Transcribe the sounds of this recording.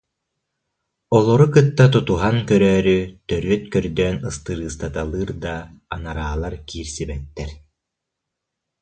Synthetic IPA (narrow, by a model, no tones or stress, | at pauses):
ɔlˠɔɾukɯt̪ːat̪̬ɔt̪uɦankœɾœːɾyt̪œɾyœt̪kœɾd̪œːnɯst̪ɯɾɯːst̪at̪alˠɯːɾd̪aːnaɾaːlˠaɾkiːɾsibɛt̪ːɛɾ